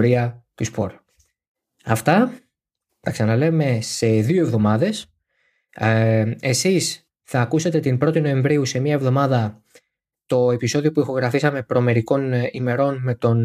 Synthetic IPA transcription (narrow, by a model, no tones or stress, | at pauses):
ɾiɐcuspo̞̰ɾ | ɐft̪ɐ | t̪ɐksɐnɐle̞me̞se̞ðioe̞vðo̞mɐðe̞s | e̞sis | θɐːkuset̪e̞t̪imbɾo̞t̪ino̞e̞ɱvɾiuse̞mɐevðo̞mɐðɐ | t̪o̞e̞piso̞ðio̞puixo̞ɣɾɐfisɐme̞pɾo̞me̞ɾiko̞nime̞ɾo̞nme̞t̪o̞n